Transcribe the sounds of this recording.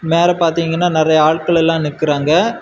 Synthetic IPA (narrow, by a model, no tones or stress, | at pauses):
meːɾɐpaːɾt̪iːŋɡɐnːaːnɪɾɐjɐaːɭkɐɭɛlːãːnɪkːɪɾaːŋɡɐ